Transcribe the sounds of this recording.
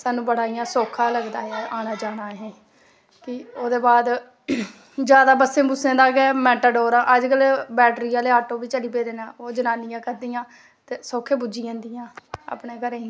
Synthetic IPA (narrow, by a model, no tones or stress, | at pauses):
saːnũːbəɽaːijãːsoːkʰãːləɡd̪aːeaːʔaːnaːd͡ʒaːnaːɦɛ̃ː | kɪoːd̪eːbaːd̪ | d͡ʒjaːd̪aːbəsẽːbʊsẽːd̪aːkɛːmɛːʈəɖoːɾãːʔəd͡ʒkəlbɛːʈɾiːaːleːaːʈoːbiːt͡ʃəliːpeːd̪eːnãːoːd͡ʒənaːnɪjãːkəɾd̪ijãː | t̪eːsoːkʰẽːbud͡ʒiːãːnd̪ɪjãːa̰ːpɳeːkəɾeː